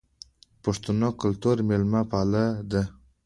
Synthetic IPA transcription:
pʊʂt̪unokʊlt̪uɾmelmapalad̪ə

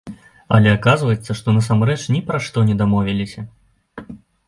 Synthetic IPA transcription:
ɐ̰lʲɛakazvɐjɛt̪sːɐʂt̪ɔnɐsamrɛt͡ʂnʲɛpɾɐʂt̪ɔnʲɛd̪amɔvʲɛlʲisʲɐ

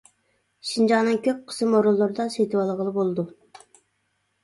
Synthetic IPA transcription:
ʃind͡ʒɑnɨŋkʲʰøp̚ʲqʰə̥sɨmoɾulˠːuɾd̪ɑsejt̪ʰɨwɑlˠʁəlˠɨbolˠd̪u

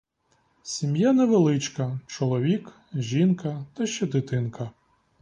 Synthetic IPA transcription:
sʲimjanɛʋelˠɪt͡ʃkɐt͡ʃɔlˠɔʋʲik | ʒʲinkɐt̪ɐʃt͡ʃɛd̪ɪt̪ɪnkɐ

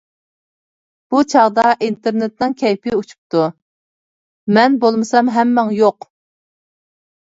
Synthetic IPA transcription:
b̥ut͡ʃʰɑʁd̪ɑʔint̪eɾnet̪nɨŋkʲʰɛjpʰɪut͡ʃʰu̥p̚t̪u | mɛnbolˠmɨsɑmɦɛmːɛŋjoq

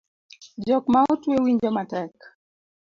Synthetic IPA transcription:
d͡ʒɔkmautwewiɲd͡ʒɔmatɛk

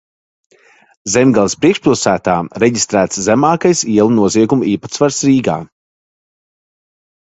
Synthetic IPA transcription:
zɛmɡalˠispɾiɛkʃpilˠsæːt̪aːɾɛɟist̪ɾæːt̪szæmaːkajsiɛlˠunuɔziɛɡumuiːpḁt̪svaɾsɾiːɡa̰ː

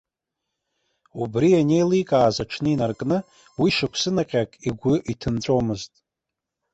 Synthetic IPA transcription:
ubrianejlijkʼaːzaʈ͡ʂʰnɨinarkʼnɨ | wiʂɨkʷʰsɨnaqʲʼakʼiɡʷʊʔitʰɨnt͡sʷʼomɨztʼ

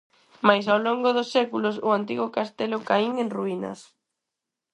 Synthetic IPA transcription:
majs̬awloŋɡʊðʊsːɛkulʊsʊant̪̬iɣʊkast̪elʊkaiŋenruinɐ̰s

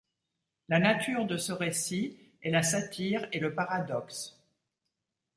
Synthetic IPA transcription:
lanat̪yʁd̪əsəʁesiɛlasat̪ʰiʁeləpaʁad̪ɔks

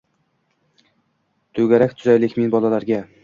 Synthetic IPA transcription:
t̪ʰɵɡʲaɾakʲt̪ʰʊzajlɪkʲminbɒlalaɾɡʲa

